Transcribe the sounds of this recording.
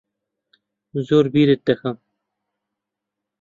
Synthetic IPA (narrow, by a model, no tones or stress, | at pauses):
zoːɾbiːɾet̪ːɐxɐm